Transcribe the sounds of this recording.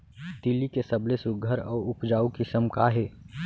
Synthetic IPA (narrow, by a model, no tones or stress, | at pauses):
t̪ilikesəblesʊɡʱəɾɔːɾʊpd͡ʒaːukisəmkaɦeː